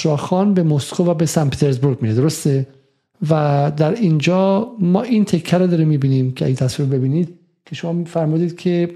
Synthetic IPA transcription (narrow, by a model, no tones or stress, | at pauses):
ɾɒːxɒːnbe̞moskʰovæbesænpʰet̪ʰeɾzbuɾɡmiːɾed̪oɾost̪e | væd̪æɾiːnd͡ʒɒːmɒːʔint̪ʰe̞kʰːæɾod̪ɒːɾimiːbiːniːmcʰeæ̰jit̪ʰæsviɾbe̞biːniːd̪̥̚ | kʲʰe̞ʃomɒːmfæɾmuːd̪iːd̪̥cʲʰe̞